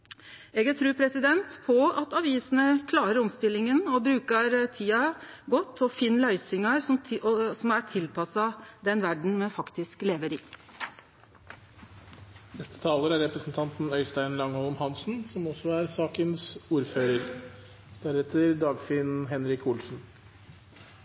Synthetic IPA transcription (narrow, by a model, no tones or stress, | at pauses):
ɛːɡɑt̪ʰɾʉːpʰɾɛsɪd̪ɛnt̪pʰɔɑt̪ɑʋiːsənəkʰlɑːɾəɾɔmst̪ɪlːɪŋənɔbɾʉːkɑɾt̪ʰiːɑɡɔt̪ːɔfiːnlœʏsɪŋɑɾɔsɔmæʈʰɪlpɑsɑd̪ɛnʋæɖɳ̩mɛfɑkt̪ɪskleːʋəɾiː | nɛst̪ə̥t̪ʰɑːləɾæɾɾɛpɾəsn̩t̪ʰɑnt̪n̩œʏst̪æɪnlɑŋːolmhɑnsn̩sɔmɔsɔæɾsɑːkənsuːɾføːɾəɾ | d̪̥æɾɛt̪ʰəɾd̪ɑːɡfinɦɛnɾɪkuːlsn̩